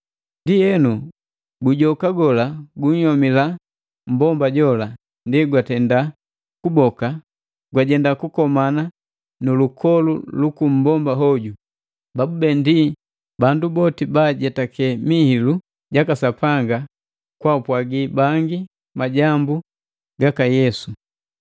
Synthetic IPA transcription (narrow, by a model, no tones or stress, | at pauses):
ndijɛnu | ɡuɟɔkaɡɔlaɡuɲ̩jɔmila | m̩bɔmbaɟɔla | ndiɡwatɛnda | kubɔka | ɡwaɟɛndakukɔmana | nulukʰɔlulukum̩bɔmbaɦɔɟu | babubɛndi | bandubɔtibaɟɛtakʰɛmihilu | ɟakasapaŋɡa | kwaupwaɡibaŋɡi | maɟambu | ɡakajɛsu